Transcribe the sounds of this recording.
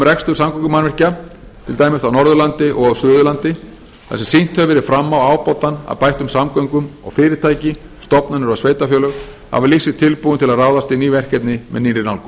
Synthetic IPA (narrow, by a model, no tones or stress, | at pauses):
rɛkst̪ʏɾsamkʰɔŋkʏmanvɛr̥ca | t̪ʰɪlt̪aːjmɪsawnɔɾðʏlant̪ɪʔɔɣawsʏːðʏlant̪ɪ | θɛ̰sɛsin̥t̪hœvɪɾɪfɾamːawaːwpɔwt̪ana̰ðpajht̪ʏmsamkɔwŋkʏmɔ̰ɣfɪːɾɪɾ̥t̪ʰaːjcɪ | st̪ɔpnʏnʏɾvasveːjt̪afjœːlœɣ | ha̰vɪlisɪt̪ʰɪlpuːʏnt̪ʰɪlaðraːwðast̪ɪniːvɛr̥cɛt̪nɪmɛ̰ðniːnɾɪnawlkʏ